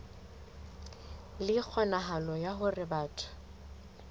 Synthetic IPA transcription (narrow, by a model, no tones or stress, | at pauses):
lɪk͡xʰɔnaɦalɔjaɦʊrɪbaːtʼʰḁ